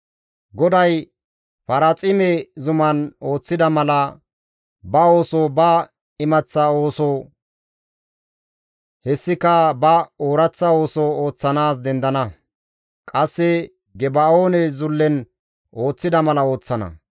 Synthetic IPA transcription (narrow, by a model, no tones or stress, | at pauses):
ɡɔd̪ɐj | fɐɾɐt͡sʼɪmɛzʊmɐno̞ːt͡sːɪd̪ɐmɐlɐ | bɐo̞ːsobɐ | ɪmɐt͡sːɐo̞ːsɔ | hɛsːɪkɐbɐoːɾɐt͡sːɐo̞ːsɔoːt͡sːɐnaːs̬d̪ɛnd̪ɐnɐ | kʼɐsːɛ | ɡɛbaoːnɛzʊlːɛn | o̞ːt͡sːɪd̪ɐmɐlɐo̞ːt͡sːɐnɐ̰